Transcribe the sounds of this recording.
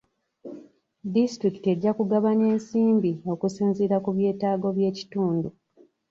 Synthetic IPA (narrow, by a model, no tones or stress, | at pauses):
distɾiki̥te̞ɟːakuɡaβaɲe̞ːnsiːmbio̞kusiːnziɾakuβje̞ːtaːɡo̞βje̞ːci̥tuːndu